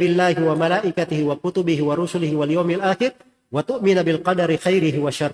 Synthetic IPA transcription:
ɾɪlːaːhɪwamalaːʔɪkat̪ɪhɪwakʊt̪ʊbɪhɪwaɾˤʊsʊlɪhɪwaljawːmalʔaːxɪɾ | wat̪ʊʔmɪnabɪlqɑd̪ɑɾɪxajɾɪhɪwaʃɑrˤ

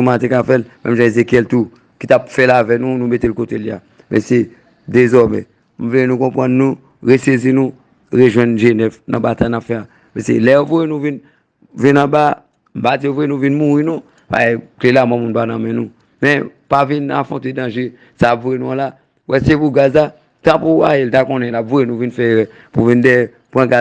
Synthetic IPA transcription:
umat̪ekafɛlmʔɛ̃mʒãezekjɛlt̪u | kit̪apfɛlavɛnũnũmetelkotelia̰ | mɛ̰̃se | d̪ezɔmɛ̰̃ | m̩vleenũkɔ̃pʁãnːũ | ɣesezinũ | ɣeʒwɛ̃nʒenɛvnã̰bat̪ajnapfɛa | mɛ̃sḛlɛjovojenũvĩn | vĩnãba | m̩pad͡ziovoenũvĩnmuɣinũ | ba̰klelamwɛ̃mũnpanãmɛ̃nũ | mɛ̃ | pavĩna̰fɔ̃tedãʒe | saːpvuenũãla | wʔɛsepuɡaza | t̪ãpua̰jeltakɔ̃nɛ̃lapvujenũvinfɛɛ | puvĩndɛ | pãɡa

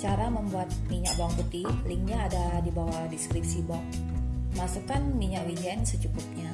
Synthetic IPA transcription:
t͡ʃaɾaməmbuat̪̚miɲakbaŋput̪iliŋɲaːdadibawadiskɾip̚sibaŋmasukanmiɲaʔwid͡ʒɛnsət͡ʃukʊp̚ɲa

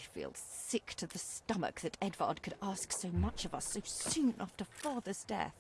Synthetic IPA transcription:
fḭlˠsɪktʰɨðɨstʌmə̰k̚ðɨɾɛdvɑ̰ɹd̚kʰɨɾæsksoʊmʌt͡ʃʌvʌsoʊsʉn̩ʔɑftəfɑðə˞z̥dɛ̰θ

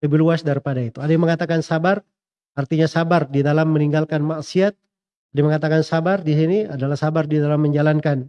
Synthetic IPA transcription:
ləbiluasdaɾipadait̪uadiməŋat̪akansabar | art̪iɲasabardidalamːəniŋɡalkanmaʔsiat̪̚ | adiməŋat̪akansabardis̬iniadalahsabardidalamːəɲd͡ʒalankan

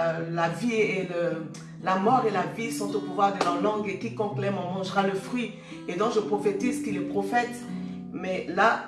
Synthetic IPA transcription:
lavielə | lamɔʁelavisɔ̃t̪opuvwaʁd̪əlœʁlɑ̃ɡekʲikɔ̃klɛmɔ̃mɑ̃ʒʁaləfχɥi | ed̪ɔ̃kʒəpχɔfet̪izkilɛpχɔfɛt̪ | mɛla

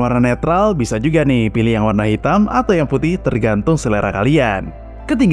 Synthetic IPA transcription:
warnanet̪ɾalbisad͡ʒuɡanɪhpilɪhjaŋwarnaɦit̪amat̪awjaŋput̪ɪht̪ərɡant̪ʊŋsəleɾa̰kalian | kət̪̬iŋɡ

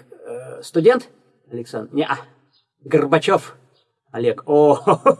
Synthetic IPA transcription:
st̪ʊdʲent̪ | ɐlʲɪksa̰nd̪nʲeʔa | ɡərbat͡ɕof | ɐlʲeko

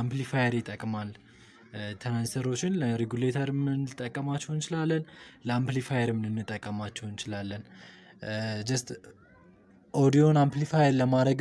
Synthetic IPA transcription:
amplifajeɾjt̪ʼːəkʼmal | t̪ʰənansʰəɾo̞t͡ʃːɪnləɾeɡulet̪ʰəɾɨmɨnːɨt̪ʼːəkʼːəmat͡ʃːɛwnt͡ʃɪlalːənləamplifajeɾɨmnɨnːɨt̪ʼːəkʼːəmat͡ʃːɛwnt͡ʃɪlalːən | d͡ʒəst̪ | ʔod̪io̞namplifajeɾləmad̪əɡ

